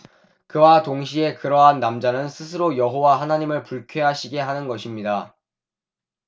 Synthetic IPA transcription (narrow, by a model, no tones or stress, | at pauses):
kɯwatoŋɕ̬ʰie̞kɯɾʌɦanːamd͡ʑanɯnsʰɯsʰɯɾojʌɦowaɦanaɲimɯɭpuɭkʰjeɦaɕʰiɡe̞ɦanɯnɡʌɕʰimɲida